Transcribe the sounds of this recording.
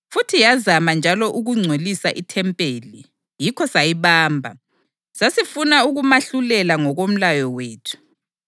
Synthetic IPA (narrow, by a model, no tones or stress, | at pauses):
futʰijazamand͡ʒʱalɔʔuɣuŋ͡ǀʱwelisaʔitʰɛmpʼeli | jikʰɔsajiβaːmbʱa̰ | sasifunauɣumaɬulɛlaŋɔɣom̩lajɔweːtʰu̥